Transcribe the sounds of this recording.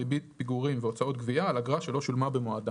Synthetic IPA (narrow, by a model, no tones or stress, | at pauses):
ibit̪piɡuʁimveo̞t͡sao̞t̪̚ɡviaːlaɡʁaʃe̞lo̞ʃulmabemoad̪a